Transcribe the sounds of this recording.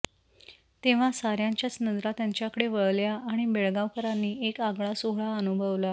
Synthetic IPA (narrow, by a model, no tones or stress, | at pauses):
t̪eʋ̤asaɾjãɲt͡ɕjasnəd̪ɾat̪jaɲt͡ɕjakəɽeʋəɭljaːɽ̃ibeɭɡaʋkəɾanːiːekaɡɭasoɦɭaənubʱəʋla